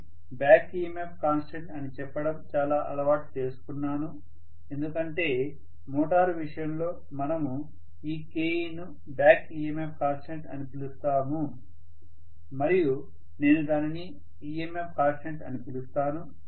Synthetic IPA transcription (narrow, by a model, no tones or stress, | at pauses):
bjaːkiːemepʰkaːnsʈeɳʈɐnit͡ʃɛpːɐɽɐmt͡ʃaːlaːʔɐlɐʋaːʈt͡ʃe̞ːsu̥kunːaːnu | e̞nd̪ukɐɳʈe̞ː | mɔːʈaːɾʋiʂɐjɐmlo̞ː | mɐnɐmu | iːke̞ːinu | bjaːkiːemepʰkaːnsʈeɳʈɐ̰nipilust̪aːmu | mɐɾiju | ne̞ːnud̪aːnini | iemep̚ʰkaːnsʈeɳʈɐ̰nipilust̪aːnu